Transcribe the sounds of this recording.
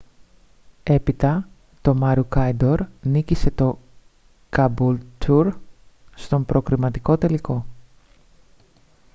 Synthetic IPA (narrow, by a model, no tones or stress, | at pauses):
e̞pit̪ɐ | t̪o̞mɐɾukɐjd̪o̞ɾnicise̞t̪o̞ | kɐbult̪ʰuɾst̪o̞mpɾo̞kɾimɐt̪iko̞t̪e̞liko̞